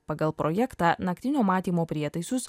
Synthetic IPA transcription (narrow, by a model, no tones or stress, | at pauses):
pɐɡɐlˠpɾʔɔjɛkt̪ɑːnɐkt̪ʲɪnʲoːmɑːt̪ʲiːmoːpʲɾʲiɛt̪ɐɪsʲʊs